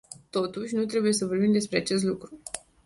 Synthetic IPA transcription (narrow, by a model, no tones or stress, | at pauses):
t̪o̞t̪uʃʲnut̪ɾe̞buje̞səvo̞rbimd̪e̞spɾe̞at͡ʃe̞s̬t̪lukɾu